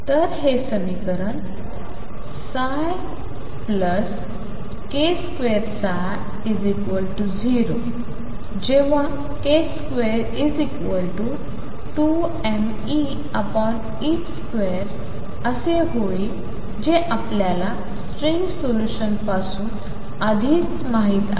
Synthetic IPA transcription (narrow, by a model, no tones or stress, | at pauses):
t̪əɾɦesəmikəɾən | sa | j | pləs | keskʋeɾsa | id͡zikʋəlʈud͡ʑiɾo | d͡ʑeʋ̤a | keskʋeɾ | id͡zikʋəlʈu | ʈu | ɛ̃n | i | əpɔn | iːt͡ɕskʋeɾ | əseɦoi | d͡ʑeʔapljala | sʈɾiŋɡsoluɕənpasuːn | əd̪ʱiːt͡s | maɦiːt̪a̰